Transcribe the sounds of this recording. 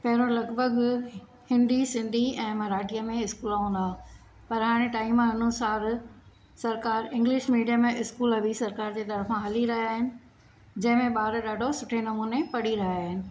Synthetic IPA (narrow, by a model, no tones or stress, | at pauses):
pɐɦɪɾõlɐɡbʱəɡ | hɪ̃nd̪isɪ̃nd̪ʱiɛ̃ːmɐɾaːʈijəmẽɪskuːlaũːn̆d̪aː | pɐɾɦaːɽ̃eʈaːimãɪnuːsaːɾ | sɐɾkaːɾɪ̃ŋɡliːʃmiːɖijamẽɪskuːlɦɐʋisɐɾkaːɾd͡ʑeːt̪ɐɾfãɦɐliɾɐɦjaːɦɪnɪ̆ | d͡ʑɐ̃ɦɪ̃mẽɓaːɾɗaːɖʱosʊʈʰenɐmuːnepɐɽiɾɐɦaaːɦɪnɪ̆